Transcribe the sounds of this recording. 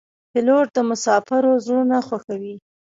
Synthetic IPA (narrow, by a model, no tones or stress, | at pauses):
pɪloɾd̪əmʊsɑfaɾozɽunaxwaxawi